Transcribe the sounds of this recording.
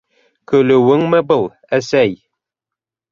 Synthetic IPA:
kɵ̆lɵ̆wɘŋmɘbɤlˠ | æsæj

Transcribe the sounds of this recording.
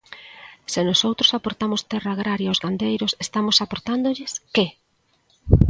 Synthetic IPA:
sɪnosowt̪ɾosapoɾt̪amost̪ɛraːɣ̞ɾaɾjaozɣand̪ejɾosest̪amosapoɾt̪and̪oʎɪske

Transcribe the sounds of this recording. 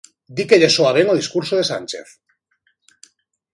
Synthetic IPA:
d̪ikeʎesoaɾeŋoð̞iskuɾsoð̞esa̰nʲt͡ʃe̞̰θ

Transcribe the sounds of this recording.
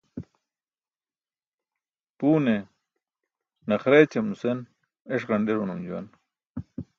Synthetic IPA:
puːne | nɐχɾet͡ɕɐmnusen | eʂ̬ʁɐɳɖeɾunumd͡ʑuwɐ̰n

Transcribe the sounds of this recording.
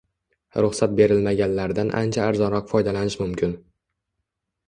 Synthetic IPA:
ɾʊχsat̪̚be̞ɾɪlmaɡʲanlaɾd̪anʔa̰nt͡ʃʰaːɾzɒnɾɒqfɒjd̪alanɪʃmʊmkʲʰɪn

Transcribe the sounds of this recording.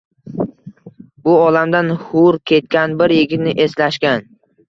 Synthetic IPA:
bʊɒlamd̪anhʊɾkʲʰe̞t̪̚kʲanbɪɾjɪɡʲɪt̪nɪʔe̞slaʃkʲan

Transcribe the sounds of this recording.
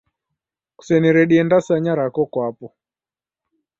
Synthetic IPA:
ku̥sɛniɾɛɗiɛndasaɲaɾakɔkwapɔ

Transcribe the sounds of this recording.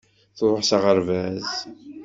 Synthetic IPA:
θðˤʊħsaʁəɾvæz

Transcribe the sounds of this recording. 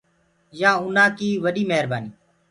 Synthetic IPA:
jãːʊnãːkiːʋəɗiːmeɦɾbaːniː

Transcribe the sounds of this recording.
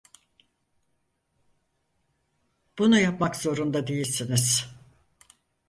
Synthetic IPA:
b̥unujapmakzo̞ɾund̪ad̪ejilʲsiniz̥

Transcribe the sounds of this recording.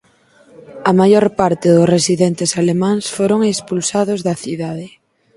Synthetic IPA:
ɐmajoɾpaɾt̪ɪðʊsresiðɛnt̪ɪsalemãŋsfoɾoŋespulsaðʊzðɐθiðaðɪ

